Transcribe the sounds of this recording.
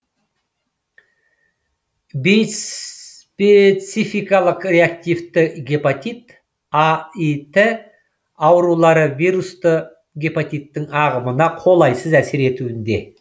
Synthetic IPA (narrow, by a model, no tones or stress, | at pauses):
bejs | pet̪sijfijkɑlˠəqreak̚t̪ivt̪ɪɡʲepot̪ʲit̪ | ait̪ʰɪ | ɑwɾulˠɑɾəvijɾust̪ə | ɡʲepot̪ʲijt̪ːɪŋɑʁəmənɑqʰo̞lˠɑjsəzæseɾe̞t̪uɪnd̪e̞̰